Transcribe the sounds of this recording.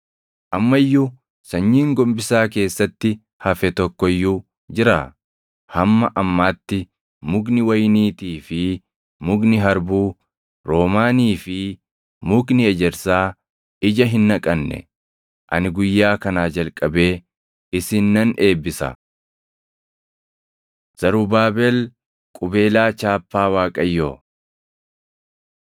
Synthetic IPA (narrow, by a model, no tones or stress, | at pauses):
ʔɐmːɐjːʊ | sɐɲːiːŋɡɔmbɪsaːke̞ːsːɐt̪ːɪ | hɐfɛt̪ɔkːɔjːʊ | d͡ʒɪɾa | hɐmːɐʔɐmːaːt̪ːɪ | mʊɡnɪwɐjniːt̪iːfɪ | mʊɡnɪɦɐɾbuː | ɾo̞ːmaːniːfɪ | mʊknɪɛd͡ʒɛɾsaː | ɪd͡ʒɐɦɪnːɐkʼɐnːɛ̰ | ʔɐ̰nɪɡʊjːaːkɐnaːd͡ʒɐlkʼɐbe̞ː | ɪsɪnːɐne̞ːbːɪsɐ̰ | z̥ɐɾuːbaːbɛl | kʼʊbe̞ːlaːt͡ʃaːpːaːwaːkʼɐjːoː